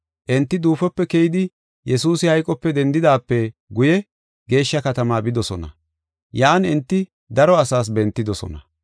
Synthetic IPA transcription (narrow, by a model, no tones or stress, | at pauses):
ʔɛnt̪ːɪd̪uːfɔpːɛkɛjɪd̪ɪ | jɛsuːsɪhɐjkʼɔpːɛd̪ɛnd̪ɪd̪aːpːɛɡʊjɛ | ɡe̞ːʃːɐkɐt̪ɐmaːbɪd̪ɔsɔnɐ̰ | jaʔːnɛnt̪ːɪ | d̪ɐɾɔɐsaːs̬bɛnt̪ːɪd̪ɔsɔ̰nɐ